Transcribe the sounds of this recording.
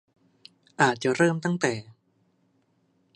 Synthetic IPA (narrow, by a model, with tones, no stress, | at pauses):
ʔaː˨˩t̪̚t͡ɕa˨˩ɾɤː˥˩mt̪a˥˩ŋt̪ɛː˨˩